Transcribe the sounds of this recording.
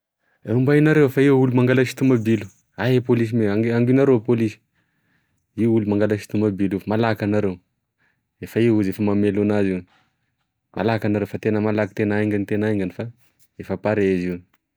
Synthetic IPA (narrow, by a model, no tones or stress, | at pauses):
umbainaɾewfaiwulumaŋɡalaʃi̥t̪umabilu̥ | aɦepolis̬imeaŋaŋɡunaɾeowpolisi̥ | iwulumaŋɡalaʃi̥t̪umabilufmalakanaɾew | efaiwuzefəmamelunaziwni | mʔa̰lakanaɾewfat̪enəmalaki̥t̪enaiŋɡanit̪enaiŋɡanifa | efapaɾeziwn